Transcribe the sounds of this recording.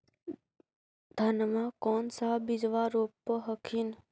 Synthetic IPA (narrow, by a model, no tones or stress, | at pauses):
d̪̥ʱənmãkɔnsaːbid͡ʒʋaɾopːəɦəkʰin